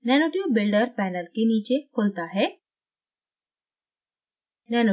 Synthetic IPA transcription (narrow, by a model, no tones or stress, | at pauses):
nɛːnoːʈiwbɪlɖəɾpɛːnəlkeniːt͡ʃekʰoːlt̪aɦɛː | nɛːno